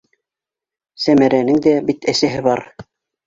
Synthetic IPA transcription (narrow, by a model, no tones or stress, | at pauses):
sæmæɾænɘŋd̪æbit̪ɘ̆sæɦɘβɑɾ